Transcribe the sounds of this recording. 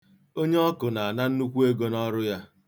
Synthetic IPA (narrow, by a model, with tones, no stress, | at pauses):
o˦ɲe˦ɔ˦kʊ˨na˨a˨na˦n̩˦nu˦kʷu˦e˦ɡo˦nɔ˦ɾʊ˦ja˦